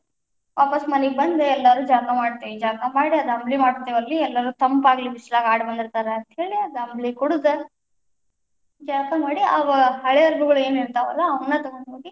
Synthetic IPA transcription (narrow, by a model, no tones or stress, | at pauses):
ʋʔaːpɐsmɐniɡ̚bɐnd̪eɛlːɐɾuːd͡ʒaːɾt̪ɐmaːɽt̪eʋid͡ʒaːɾp̪ɐmaːɽiɐd̪ɐmblimaːɽut̪ːeʋɐlːiɛlːɐɾuːt̪ɐmpaːɡlibislaːɡaːɽbɐnd̪iɾt̪aːɾeɐnt̪ɐɦe̞ːɭiɐd̪ɐmblikɔɽud̪e | d͡ʒaːɾpɐmaːɽiaːʋaɐɐɭeɐɾbuɡɐɭue̞ːniɾt̪aːʋɐlːɐːʋɐnːɐt̪ɐɡoɳɖɦoːɡi